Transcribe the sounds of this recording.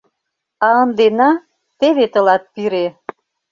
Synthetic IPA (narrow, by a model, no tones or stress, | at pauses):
ɑənd̪enɑ | t̪eβet̪ə̆lɑt̪̚piɾe